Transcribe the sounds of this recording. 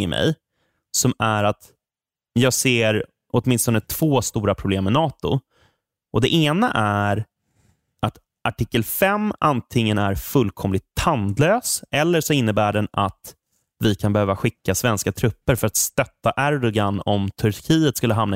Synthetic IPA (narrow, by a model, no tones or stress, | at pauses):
ɪmʔɛ̰j | sɔmæɾat̪ | jɑːɡseːɾ | ʔɔt̪mɪnst̪ɔnət̪ʰv̥oːst̪uːɾapʰɾʊbleːmːɛnɑːt̪ʊ̰ | ʔɔd̪ɛʔeːnaʔæɾ | ʔat̪ | ʔaʈʰɪkːəlfɛmːant̪ʰɪŋːənæɾfɵlːkʰɔmlɪt̪ʰhand̪løːsɛlːəʂɔɪnːəbæːɖɛna̰t̪ | vɪkʰanbɛhøːvaɧɪkːasvɛnskat̪ʰɾɵpːəɾfœɾat̪st̪œt̪ːaʔæɾd̪ɔɡanɔmt̪ʰɵɾkʰiːət̪skɵlːəɦamna